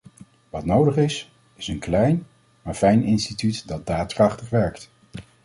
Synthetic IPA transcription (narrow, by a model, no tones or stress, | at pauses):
ʋɑtnowdəχɪs | ɪsənklɛjn | maːɹfɛjnɪnstitytdɑt̚daːtkrɑχtəχʋɛɹkt